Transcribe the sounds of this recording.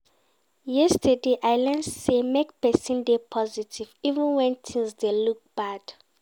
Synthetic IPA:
jɛstʰɛdeʔajlɛ̃ndsemek̚pɛsĩndepʰɔzitʰivivɛ̃nwɛ̃ntʰĩŋsdeluk̚b̥ad̥

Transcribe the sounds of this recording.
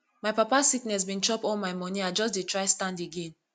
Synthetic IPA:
majpapasiknɛs̬bĩnt͡ʃɔpɔlmaɪmɔniaɪd͡ʒɔs̬detʰɹaɪstãndeɡẽn

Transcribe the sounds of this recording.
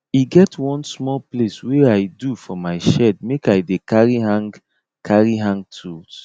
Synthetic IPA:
iɡɛtwɔ̃nsmɔlplesweaɪdufɔmaɪʃɛd̚mekajdekaɹiɦãŋ | kʰaɹiɦãŋɡ̚tʰut

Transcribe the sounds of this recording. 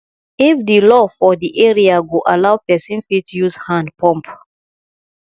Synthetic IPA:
ifðilɔfɔðiʔɛɹiaɡuʔalawpɛsĩnfitʰːujuzhãndpʰɔ̃mp

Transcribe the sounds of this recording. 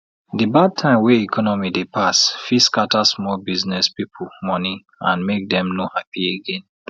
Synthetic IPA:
dibad̚tʰãɪ̃mweikʰɔnɔmidepʰasfiskatasmɔlbiznɛspipʰulmɔni | ãnmek̚dɛ̃mnohapieɡẽn

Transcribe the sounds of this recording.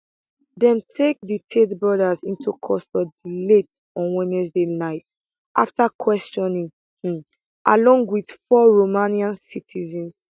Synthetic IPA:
dɛ̃mtʰek̚ditʰetbɹɔdazĩntʰukʰɔstɔdilet | ɔ̃nwɛ̃nɛsdenaɪt | ʔa̰ftakʰwɛst͡ʃɔ̃nĩŋ̩ | ʔa̰lɔ̃ŋɡwid̥fɔɹomaniãnsitʰizɛ̃ns

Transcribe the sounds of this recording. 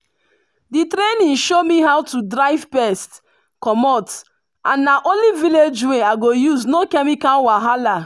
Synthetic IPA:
ditɾenĩnʃomiɦawtudɾaɪvpɛst | kɔmɔt | ãnːaʔõnliviled͡ʒweaɡojuznokɛmikãwaɦala

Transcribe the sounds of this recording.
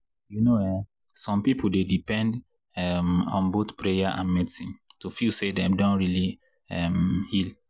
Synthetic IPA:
junowɛ | sɔ̃mpipʰuldedipɛ̃nd | ɛmɔ̰̃nbotpɹejaʔã̰nmitĩntufilsedɛ̃mdõntɹili | ɛmhil

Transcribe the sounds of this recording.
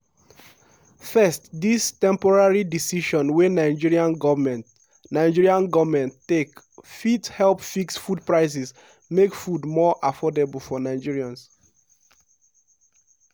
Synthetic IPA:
fɛstdistɛ̃mpɔɹaɹidisiʃɔ̃nwenaɪd͡ʒiɹiãnɡɔmɛ̃ | naɪd͡ʒiɹiãnɡɔvmɛ̃ntek | fithɛlpfiksfud̚pɹaɪs̬ɛs | mekfudmɔʔafɔdebəlfɔnaɪd͡ʒiɹiãns

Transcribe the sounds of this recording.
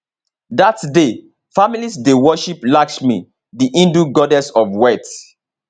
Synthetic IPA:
datde | familisdewɔʃiplaksmi | diʔĩnduɡɔdɛsɔvwɛt

